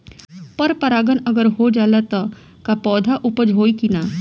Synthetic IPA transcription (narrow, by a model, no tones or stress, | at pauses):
pɐɾpɐɾaːɡənɐɡəɾɦod͡ʒaːlat̪ɐ | kapɔːd̪ʱaʔʊpəd͡ʒɦoːikinaː